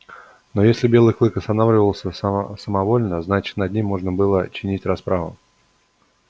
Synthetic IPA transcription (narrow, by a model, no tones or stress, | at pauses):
no̞jesʲlʲɪbʲelˠɨjklˠɨkəst̪ɐnavlʲɪvəlˠsʲəsəmɐvo̞lʲnəznat͡ɕɪ̥t̪nɐd̪ʲnʲimʲːo̞ʐnəbɨlˠət͡ɕɪnʲitʲrɐspɾavə̰